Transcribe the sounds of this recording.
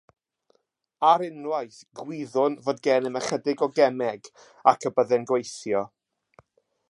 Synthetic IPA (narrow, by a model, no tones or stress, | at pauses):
aɾɪnwajθɡwɪðʊnvoːdɡɛːnəməχədɪɡɔɡɛmɛɡ | akʰəbəðɛnɡwejθjɔ